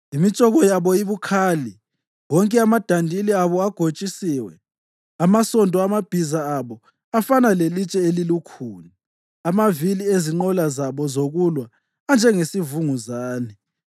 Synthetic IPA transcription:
imit͡ʃʼɔɣɔjaβɔiβukʰaːli | wɔŋkʼɛamad̥ʱandʱiliaβɔaɡ̥ʱot͡ʃʼisiːwɛ | amasɔndʼɔamab̥ʱizaːβɔ | afanalelit͡ʃʼɛelilukʰuːna | amavilieziŋ͡ǃɔlazaβɔzoɣulwaː | nd͡ʒʱɛŋesivuŋuzaːnɛ

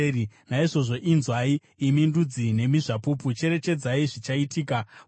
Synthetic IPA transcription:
inaiʐo̞ʐo̞ʔinzwaiː | mindud͡zine̞miʐapuput͡ʃe̞ɾe̞t͡ʃe̞d͡zaiʐit͡ʃaitiːka

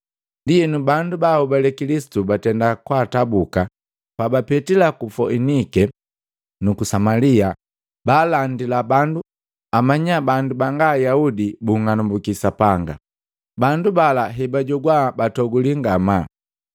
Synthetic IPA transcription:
ndiɛnubandubahubalɛkilisi̥tubatɛndakwaːtabuka | pabapɛtilakufɔinikɛ | nukusamalia | baːlandilabandu | amaɲabandubaŋɡaːjaudibuŋanumbukisapaŋɡa̰ | bandubalaɦɛbaɟɔɡwabatɔɡuliŋɡama

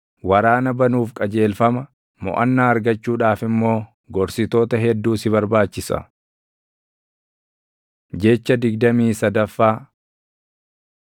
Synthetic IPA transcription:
wɐɾaːnɐbɐnuːfkʼɐd͡ʒe̞ːlfɐmɐ | mɔ̰ʔɐnːaːɐɾɡɐt͡ʃːuːᶑaːfɪmːo̞ː | ɡɔɾsɪt̪o̞ːt̪ɐɦɛd̪ːuːsɪβɐɾbaːt͡ʃːɪsɐ̰ | d͡ʒɛt͡ʃːɐd̪ɪɡd̪ɐmiːsɐd̪ɐfːaː

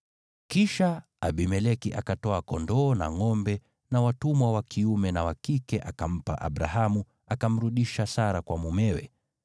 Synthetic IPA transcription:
kiʃa | aɓimɛlɛkiʔakatɔakɔndɔːna̰ŋɔmbɛ | nawatumwawakʰiumɛnawakikɛʔakam̩pa̰ʔa̰ɓɾaɦamu | akam̩ɾuɗiʃasaɾakwamumɛwɛ̰

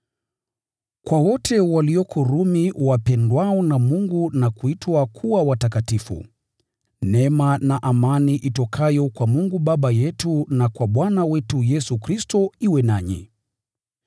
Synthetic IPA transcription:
kwawɔtʰɛwaliɔkʰɔɾumiwapɛndwaɔnamuŋɡunakuitwakʰuawatakatifṵ | nɛmanaʔamaniʔitɔkʰajɔkwamuŋɡuɓaɓajɛtunakwaɓwanawɛtujɛsukɾistɔiwɛnaɲḭ

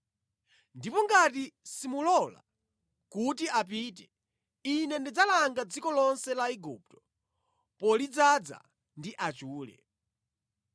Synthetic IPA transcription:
ndipɔŋɡatisimulɔla̰ | kutiap̬iːt̬ɛ | inɛndid͡zalaŋɡad͡zikɔlɔnsɛlaiɡup̚tɔ̥ | pɔlid͡zad͡za̰ | ndiʔat͡ʃuːlɛ̰

